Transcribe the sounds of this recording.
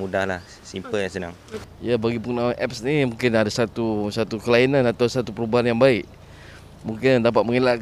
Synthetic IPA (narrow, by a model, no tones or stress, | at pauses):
mudahlah | simpəljaŋsənaŋjabaɡipuknamaʔɛp̚snimũŋkɪnadasat̪usat̪ukəlainanat̪awsat̪upəɾubaɦanjaŋbaɪʔ | mũŋkɪndap̬at̪̚məŋelaʔk